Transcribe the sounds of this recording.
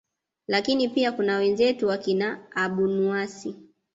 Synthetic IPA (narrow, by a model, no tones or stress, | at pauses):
lakinipiakunawɛnzɛtuwakinaːɓunuasi